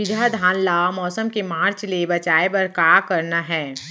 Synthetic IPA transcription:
ɪd͡ʒad̪ʱaːnlaːamɔːsəmkemaːɾt͡ʃlebɐt͡ʃaːebɐɾkaːkɐɾnaɦɛ̃ː

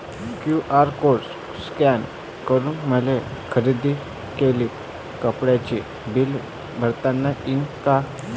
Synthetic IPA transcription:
kjuʔaɾkoɾs | skɛn | kəɾuːnməlekʰəɾid̪i | keliːp | kəpɽjat͡ɕi | bil | bʱəɾt̪anːainka

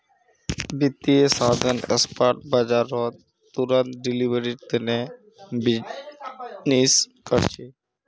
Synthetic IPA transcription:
bit̪ːiesad̪ʱanḛspaɾʈ̚bad͡ʑaɾːɔt̪ | t̪uɾant̪ɖilibʱəɾiɾt̪ene | bi | niskɔɾt͡ɕʰi

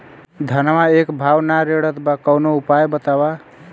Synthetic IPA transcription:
d̪ʱənmaekbʱawnaɾeɽət̪bakəwnoupajbət̪aba

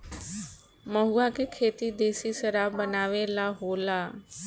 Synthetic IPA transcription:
məɦuakekʰeːt̪id̪eːsisəɾaːbənaːʋelaɦoːlaː

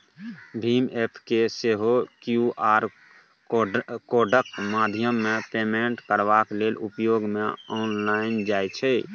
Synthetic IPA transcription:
bʱimepʰkeseɦokjuʔaːɾ | koɖək̚mad̪ʱjəmːepemeɳʈkəɾbaklelupjoɡmeɔnlaɪnd͡ʒajt͡ʃʰɛ

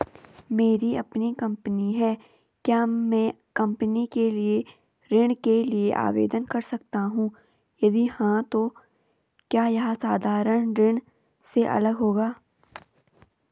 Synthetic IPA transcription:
meːɾiɐpnikɐ̃mpniɦɛː | kjaːmɛ̃ːkɐ̃mpnikelie | ɾɪɽ̃kelieʔa̰ːʋḛːd̪ənkɐɾsɐkt̪aɦũː | jɐd̪ihãt̪o | kjaːjɐɦasaːd̪ʱaːɾəɽ̃ɾɪɽ̃ | seʔɐ̰ləɡɦoːɡaː

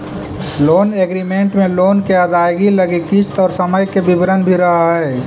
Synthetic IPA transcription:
loːneɡɾimẽːɳʈmẽloːnkeɐd̪aːjɡiləɡikist̪ɔːɾsəməjkebɪbɾənbʱiɾɐɦaɦɛː

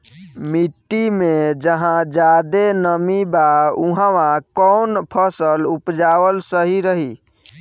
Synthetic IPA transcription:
miʈːimed͡ʒəɦãd͡ʒad̪enəmibauɦãʋãkɔnpʰəsəlupd͡ʒawəlsəɦiɾəɦi

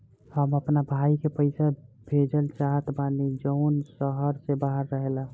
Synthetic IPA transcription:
həməpnabʱaːikepəɪsabʱed͡ʒəlt͡ʃaɦət̪baːnid͡ʒəʊnsəɦəɾsebaɦəɾːəɦela

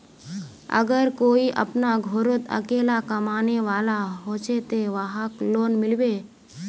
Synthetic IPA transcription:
ə̰ɡəɾkoːiʔə̰pnaɡʱoɾot̪ə̰keːlakəmaːneʋaːlaɦoːt͡ʃet̪eʋaɦakloːnmɪlbe

